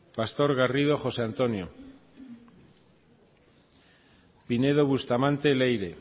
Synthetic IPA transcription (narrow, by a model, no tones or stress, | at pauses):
past̪o̞ɾɣarið̞o̞xo̞seant̪o̞njo | pine̞ð̞o̞βust̪amãnt̪e̞lejɾe̞